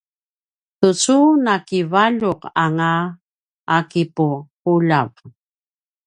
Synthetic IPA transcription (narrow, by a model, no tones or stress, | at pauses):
tut͡sunakivaʎuqaŋaː | kipuquʎav